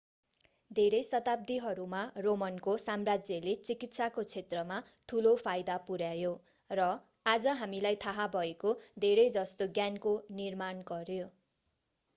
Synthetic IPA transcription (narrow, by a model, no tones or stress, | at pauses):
d̪ʱeɾʌjsʌt̪ab̚d̪iɦʌɾumaromʌnkosamrad͡zjʌlet͡sikit̪sakot͡sʰet̪rʌma | ʈʰulopʰajd̪apuɾjajo | rʌ | ad͡zʌɦamilajt̪ʰaɦabʱʌekod̪ʱeɾʌjd͡zʌst̪oɡjankonirmanɡʌɾjo